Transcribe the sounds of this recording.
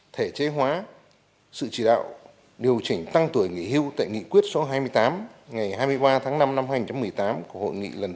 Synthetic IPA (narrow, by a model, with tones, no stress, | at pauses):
t̪ʰe˧˩t͡ɕe˨˦ɦwaː˨˦ | sɨ̰˧˨t͡ɕi˧˩ɗa̰ː˧˨w | ɗi˨˩əwt͡ɕï˧˩ŋ̟t̪a˧ŋt̪u˧˩əjŋḭ˧˨hi˧əwt̪a̰ː˧˨jŋḭ˧˨kwi˦˥ət̚so˨˦ɦaː˧jmɨ˧əjt̪aː˨˦mŋa˨˩jhaː˧jmɨ˧əjɓaː˧t̪ʰaː˨˦ŋna˧mna˧mhaː˧ɲi˧˩t͡ɕa˨˦mɨ˨˩əjt̪aː˨˦mku˧˩əho̰˧˨jŋḭ˧˨lə˨˩n